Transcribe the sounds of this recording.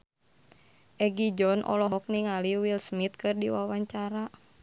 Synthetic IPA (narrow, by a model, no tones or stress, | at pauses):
ʔɛɡid͡ʒɔnʔɔ̰lɔɦɔk̚niŋaliwilsmit̪̚kɨrdiwawaɲt͡ʃaɾa